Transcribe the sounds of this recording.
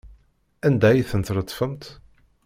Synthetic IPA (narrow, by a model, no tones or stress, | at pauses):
ænd̪æjiθənt̪ɾət̪ˤːfəmt̪